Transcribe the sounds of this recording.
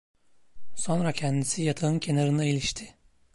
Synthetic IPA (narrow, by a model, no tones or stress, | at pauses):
so̞nɾacʰɛnd̪isijat̪ʰaɯncʰe̞naɾɯnailʲiʃt̪ʰɪ